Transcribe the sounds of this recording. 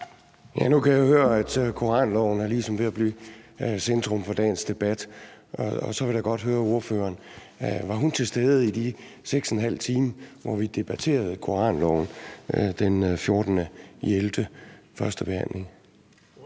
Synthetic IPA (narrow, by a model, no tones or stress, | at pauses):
jænukʰæjahøːɐæd̥kʰo̝ʁɑ̰̈ːnlɒʊ̰n̩ɑlisɒ̽mʋe̝æb̥liːsend̥ʁɔ̽mfɒ̽d̥ɛ̰ːn̩sd̥e̝b̥æd̥ʔɒɒsɒ̽ʋe̝ldjɑɡ̥ɒ̽d̥ɦøːɐo̝ɐfø̰ːɐːn | ʋɑ̈ɦunt͡sʰe̝lsd̥eːð̩ˠid̥i | seɡ̥senɦæl̰t͡sʰiːməʋɒʋid̥e̝b̥æt͡sʰe̝̰ːɐðˠkʰo̝ɑ̰̈ːnlɒ̰ʊn̩d̥enfjo̝ɐd̥n̩əeld̥əfɶɐsd̥əb̥e̝hæn̰le̝ŋ